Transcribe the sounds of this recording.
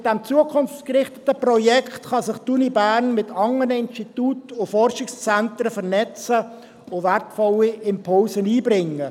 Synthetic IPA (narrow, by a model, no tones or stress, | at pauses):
d̥ɛmt͡suəkʰʊnft͡skɾɪχtətəprɔjɛkχtχɑsɪχtunibæːɾnmɪtʰɑŋənəɪnstituːtʊfɔrʃɪkst͡sɛntɾəfəɾnɛt͡sə | ʊvɛrtfɔliɪmpʰʊlsəniːbɾɪŋːə